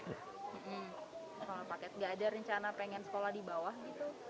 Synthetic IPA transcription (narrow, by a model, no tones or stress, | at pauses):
m̩ʔm̩səkolapakɛt̪̚ŋɡaːdaɾəɲt͡ʃanapeŋɛnsə̥kolahdibawahɡit̪u